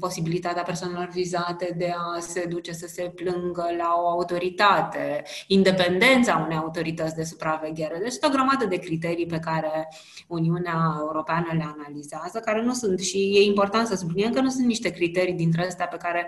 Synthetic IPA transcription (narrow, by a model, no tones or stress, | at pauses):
po̞sibilit̪at̪eapersowane̞lo̞rvizat̪e̞d̪e̞ase̞d̪ut͡ʃe̞səse̞plɨŋɡəlao̞aut̪o̞ɾit̪at̪e̞ind̪e̞pe̞nd̪e̞nt̪saunejaut̪o̞ɾit̪ət̪sʲd̪e̞supɾave̞ɡʲe̞ɾed̪eat͡ʃast̪eoɡɾəmad̪əd̪e̞kɾit̪e̞ɾijpe̞kaɾe̞ | uniuneaeuɾo̞peanəle̞analizeazəkaɾe̞nusunt̪ʃije̞impo̞rt̪ant̪səsubliniemkənusunt̪niʃt̪e̞kɾit̪e̞ɾijd̪int̪ɾest̪eape̞kaɾe̞